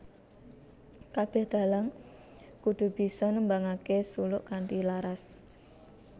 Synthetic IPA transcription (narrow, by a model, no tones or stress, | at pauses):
kab̥ɛhd̪̥a̤laŋ | kud̪̥ṳb̥i̤sɔnəmbaŋakesulʊʔkaɳʈilaɾas